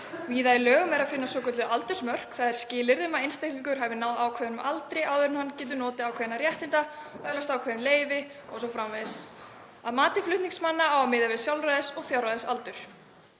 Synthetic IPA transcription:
viːðajɪlœːɣmɛɾaðfɪnːasɔːkœt̪lɪʔalt̪ʏɾ̥smœr̥kθaðɛɾ̥scɪːlɪɾðɪmaejnst̪ehk̪niŋkʏɾ̥ɦavɪnawðaːwkʰvɛːðɪnmalt̪ɾɪawðʏɾɪnhanːcɛːt̪̬ʏnɔːt̪ɪaːwkʰvɛðɪnarjɛht̪ɪnt̪aœlast̪aːwkʰɛːðɪnleːjvɪ | ɔ̰ɣsɔfɾamveðs | aðmaːt̪ɪflʏht̪niŋksmanːaaːwamɪðavɪðsjawlraðɪsɔɣfjawraðɪsalt̪ʏɾ̥

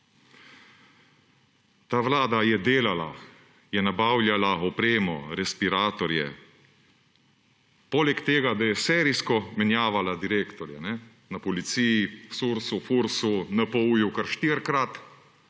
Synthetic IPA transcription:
t̪aːʋlaːd̪ajɛd̪eːlala̰ | jɛnabaːwlʲjalaɔpɾeːmɔ̰ɾɛspiɾaːt̪ɔɾjɛ̰ | poːlɛkt̪eːɡad̪ajɛsɛːɾiskɔmɛnjaːʋalad̪iɾeːkt̪ɔɾjɛnɛ | napɔlit̪siːjisuɾsufuɾsunapɔjukaɾʃt̪iɾkɾat̪

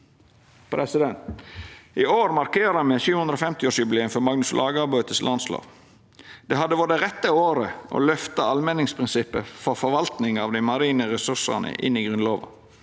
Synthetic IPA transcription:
pʰɾɛsɪd̪ɛnt̪ | ɪoːɾmɑɾkeːɾɑmɛʃʉːhʉnɾofɛmt̪ɪoːʂjʉbɪleːəmfɔɾmɑɡnʉslʔɑːɡəɑɾbøːt̪ʰəslʔɑnslɑ̰ːʋ | d̪̥ɛɦɑd̪əʋɔd̪əɾɛt̪ːəoːɾəʔo̰lœft̪əɑlmɛnːɪŋspʰɾɪnsɪpːəfɔɾfɔɾʋɑlt̪nɪŋɑʋd̪æɪmɑɾiːnəɾɛsʉsɑ̰nə̰ʔɪ̰nːiɡɾʉnloːʋɑ̰

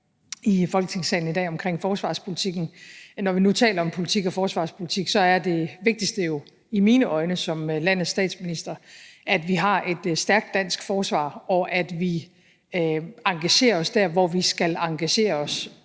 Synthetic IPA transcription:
ifɒ̽lɡə̥t͡sʰe̝ŋsɛ̰ɪn̩idɛ̰ːɒ̽mkʰʁeŋ̰fɒːsʋɑ̈ːspʰo̝lit͡sʰiɡ̥n̩nɒʋinut͡sʰɛ̰ːlɐɒ̽mpʰo̝lit͡sʰiɡ̥ɒ̽fɒːsʋɑ̈ːspʰolit͡sʰiɡ̥sɒ̽æɐd̥e̝ʋe̝ɡ̥̚d̥isd̥əjo̝ | imiːnəʔɒ̽ɪnəsɒ̽mlæn̰ð̩ˠsd̥ɛ̰ːd̥sminisd̥ɐʔæd̥ʋiɦɑ̈ʔe̝d̥sd̥æɐɡ̥̚d̥ːæn̰sɡ̥fɒːsʋɑ̰̈ːɒ̽ʔæd̥ʋi | ɑ̈ŋɡ̥æɕe̝̰ːɐɒ̽sd̥æɐʋɒʋisɡ̥ælɑ̈ŋɡ̥æɕe̝̰ːɐɒ̽s

